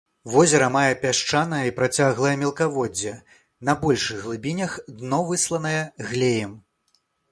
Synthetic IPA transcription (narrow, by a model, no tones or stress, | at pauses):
vɔzʲɛɾɐmajɛpʲaʂt͡ʂanɐjɐipɾat͡sʲaɣlˠɐjɐmʲɛlˠkavɔd͡zʲːɛ | nɐbɔlʲʂɨɣɣlˠɨbʲinʲɐxd̪nɔvɨslˠɐnɐjɛɣlʲejɛm